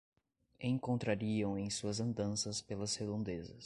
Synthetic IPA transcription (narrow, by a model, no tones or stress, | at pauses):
ẽŋkõnt̪ɾaɾiɐ̃w̃ẽj̃suɐzɐ̃nd̪ɐ̃sɐspelɐshed̪õnd̪ezɐ̰s